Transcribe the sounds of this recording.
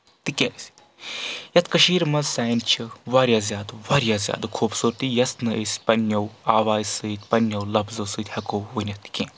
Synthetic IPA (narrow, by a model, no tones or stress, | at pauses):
t̪ɨkʲesʲ | jɐt̪kɐʃiːɾmɐzsaːjnt͡ʃʰiʋaːɾʲjaːzʲjaːd̪ɨʋaːɾjaːzʲja̰ːd̪ɨkʰuːbsuːɾt̪ijɐsnɨʔesʲpɐnjɐwaːʋaːzsɨt̪ʲpɐnːjɐwlɐbzɐwsɨːt̪ʲhɐkowʋɨnʲɐt̪kʲẽː